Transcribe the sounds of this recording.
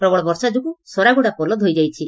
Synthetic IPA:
pɾɔbɔɭɔbɔɾsad͡ʒukusɔɾaɡuɽapɔlɔd̪ʱɦojd͡ʒajt͡ʃʰi

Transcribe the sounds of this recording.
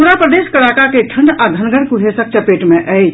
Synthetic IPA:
oɾapɾəd̪eskəɭakakeʈʰəɳɖad̪ʱənɡəɽkuɦesək̚t͡ʃəpeʈmeʔə

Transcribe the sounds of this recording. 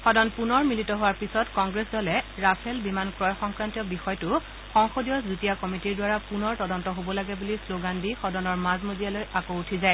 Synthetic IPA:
xɔdɔnpunɔɹmilitɔɦʊwaɹpisɔtkɔŋɡɹeszɔlɛɹapʰɛlbimankɹɔjɔxɔŋkɹantijɔbixɔjtʊ | xɔŋxodijɔzutijakɔmitiɹdwaɹapunɔɹtɔdɔntɔɦobɔlaɡɛbulisloɡandixɔdɔnɔɹmazmozijalojakoutʰizaj

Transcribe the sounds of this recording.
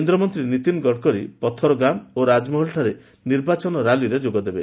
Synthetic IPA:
end̪ɾɔmɔnt̪ɾinit̪inɡɔɽkɔɾḭpɔt̪ʰɔɾɔɡamoɾad͡ʒmuɦɔlʈʰaɾe | niɾbat͡ʃɔnɔɾaliɾed͡ʒoɡɔd̪ebe

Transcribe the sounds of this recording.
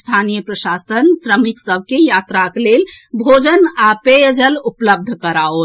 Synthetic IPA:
st̪ʰanijəpɾəsasənsɾəmiksəb̚ʱkejat̪ɾaklelbʱod͡ʒənapejəd͡ʒəlupləb̚d̪ʱkəɾaot̪

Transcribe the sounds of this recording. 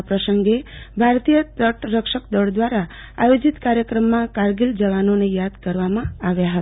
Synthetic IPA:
pɾəsəŋɡebʱaɾt̪ijəəʈɾəkʃəkd̪ɔɭd̪ʋaɾa | ajod͡ʒit̪kaɾjəkɾəmːãkaɾɡild͡ʒəʋanonejad̪kəɾʋamãaʋjaɦət̪a

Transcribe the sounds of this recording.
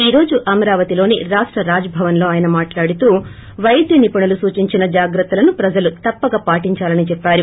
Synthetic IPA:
iːɾo̞ːd͡ʒuʔɐmɐɾaːʋɐt̪ilo̞ːniɾaːʂʈɾɐɾaːd͡ʒɐbʱɐʋɐnlo̞ːaːjɐnɐmaːʈlaːɽit̪uː | ʋɐjɐd̪jɐnipɐɳɐlusuːt͡ʃiɲt͡ʃinɐd͡ʒaːɡɾɐt̪ːɐlɐnupɾɐd͡ʒɐlut̪ɐpːɐɡapaːʈiɲt͡ʃaːlɐnit͡ʃɛpːaːɾu

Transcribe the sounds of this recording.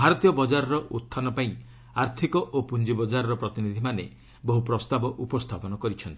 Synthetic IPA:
bʱaɾɔt̪ijɔbɔd͡ʒaɾɔɾɔʔut̪ʰːanɔpaĩ | aɾt̪ʰikɔʔopund͡ʒibɔd͡ʒaɾɔɾɔpɾɔt̪inid̪ʱimane | bɔɦupɾɔst̪abɔʔupɔst̪ʰapɔnɔkɔɾit͡ʃʰɔnt̪ii̥

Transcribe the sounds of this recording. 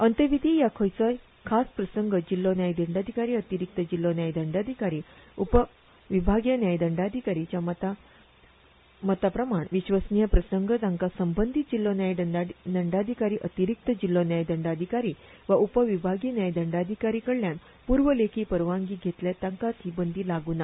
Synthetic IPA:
ənt̪əʋid̪ʱijakʰəjt͡səj | kʰaspɾəsəŋɡəd͡ʑilːonjajd̪əɳɖad̪ʱikaɾiːət̪iɾik̚t̪əd͡ʑilːonjajd̪əɳɖad̪ʱikaɾiːupə | ʋibʱaɡjənjajd̪əɳɖad̪ʱikaɾit͡ɕjam | mət̪apɾəmaɳʋiɕʋəsnijəpɾəsəŋɡʱəd͡z̪ãŋkasəmbənd̪ʱit̪̚d͡ʑilːonjajd̪əɖd̪əɳɖad̪ʱikaɾiːʔət̪iɾik̚t̪əd͡ʑilːonjajd̪əɳɖad̪ʱikaɾiː | ʋaʔupəʋibʱaɡjnjajd̪əɳɖad̪ʱikaɾiːkəɽljãn | puɾʋəlekʰiːpəɾʋãŋɡiːɡʱet̪ljat̪ãŋkat̪ʰibənd̪ʱiːlaɡuːna

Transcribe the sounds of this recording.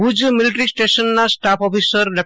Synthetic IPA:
ud͡ʒmilʈɾisʈesɔnːasʈapʰɔpʰisɔɾlɛ

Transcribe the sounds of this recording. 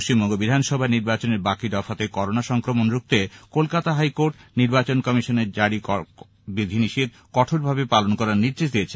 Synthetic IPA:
ʃt͡ɕimbɔŋɡobid̪ʱanʃɔbʱaniɾbat͡ɕoneɾbakid̪ɔfʰat̪ekɔɾonaʃɔŋkɾomonɾuk̚t̪ekolkat̪aɦajkoɾʈniɾbat͡ɕonkɔmiʃoneɾd͡ʑaɽikɔ | bɾid̪ʱiniʃid̪̚ | kɔʈʰoɾbʱabepalonkɔɾaɾniɾd͡ʑeʃ̬d̪ijet͡ɕʰe

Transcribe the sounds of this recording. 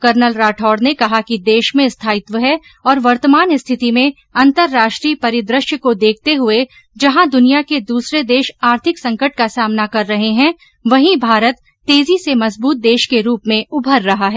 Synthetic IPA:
kɐɾnəlɾaːʈʰɔːɾnekɐɦakid̪eːʃmẽst̪ʰaːɪt̪ʋəɦɛ | ɔːɾʋɐɾt̪əmaːnɪst̪ʰɪt̪imẽ | ɐ̃nt̪əɾːaːʃʈɾiːpɐɾɪd̪ɾɪʃjəkod̪eːk̚ʰt̪eɦʊe | d͡ʒɐɦãd̪ʊnijaked̪uːsɾed̪eːʃaːɾt̪ʰɪksɐ̃ŋkəʈ̚kasaːmnakɐɾːɐɦeɦɛ̃ | ʋɐɦĩbʱaːɾət̪ːeːzisemɐzbuːt̪̚d̪eːʃkeɾuːpmẽʊbʱəɾːɐɦaɦɛː

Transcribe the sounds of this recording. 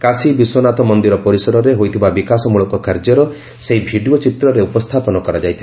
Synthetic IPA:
kasibiswonat̪ɔmɔnd̪iɾɔpɔɾisɔɾɔɾeɦojt̪ʰibabikasɔmuɭɔkɔkaɾd͡ʒɔɾɔ | seɦibʱiɖiɔt͡ʃit̪ɾɔɾeupɔst̪ʰapɔnɔkɔɾad͡ʒajt̪ʰila

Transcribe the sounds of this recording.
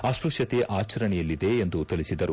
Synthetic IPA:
aːspɾuʂjɐt̪eʔaːt͡ʃɐɾɐɳɛjɐlːid̪e̞ːnd̪ut̪iɭisid̪ɐɾu

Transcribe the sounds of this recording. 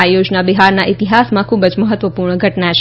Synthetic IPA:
ajod͡ʒnabiɦaɾnaʔit̪iɦasmãkʰubəd͡ʒməɦət̪ʋəpuɾɳəɡʱəʈnaʃ

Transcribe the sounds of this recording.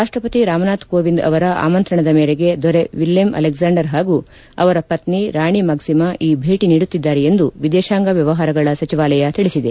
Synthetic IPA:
ɾaːʂʈɾɐpɐt̪iɾaːmɐnaːt̪koːʋind̪ɐ̰ʋɐɾɐʔa̰ːmɐnt̪ɾɐɳɐd̪ɐmeːɾeɡe̞d̪ɔɾeʋiljɐmʔɐ̰lekzaːɳɖɐɾɦaːɡu | ɐ̰ʋɐɾɐpɐt̪niɾaːɳimaːɡsimɐʔiːbʱeːʈiniːɽut̪ːid̪ːaːɾeend̪uʋid̪eʃaːŋɡɐʋjɐʋɐɦaːɾɐɡɐɭɐsɐt͡ʃiʋaːlɐjɐt̪iɭisid̪e

